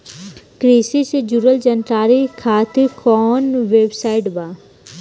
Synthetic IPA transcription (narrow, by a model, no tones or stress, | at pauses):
kɾiːsised͡ʒuɾəld͡ʒənʈɾaːɾikʰaːt̪ʰikɔːnʋeːbsaːɪʈbaː